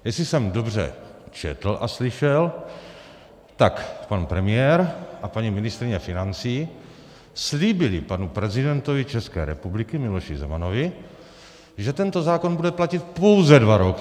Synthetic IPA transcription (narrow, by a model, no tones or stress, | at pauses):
jɛsɪsɛmdobr̝ɛ̰t͡ʃɛ̰t̪l̩ʔaslɪʃɛl | t̪akpanpɾɛmɪjɛːɾʔapaɲimɪnɪst̪ɾɪɲɛfɪnant͡siː | sliːbɪlɪpanupɾɛzɪdɛnt̪ovɪt͡ʃɛskɛ̰ːɾɛ̰publɪkɪmɪloʃɪzɛ̰manovɪ | ʒɛt̪ɛnt̪o̞zaːko̞nbudɛplacɪt̪̚po̞wzɛdvaɾok